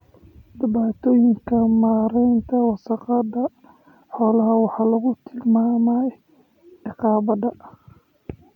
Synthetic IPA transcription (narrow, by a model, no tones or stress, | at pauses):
d̪ɪβaːt̪ʰɔːjɪŋkʰɐmaːɾɛjnt̪ʰɐwɑsɑqɑd̪ɐ | ħɔːlɐɦɐwɑħɑːlɐɣʊt̪ʰɪlmaːmaj | ɪqɑːbɐd̪ɐ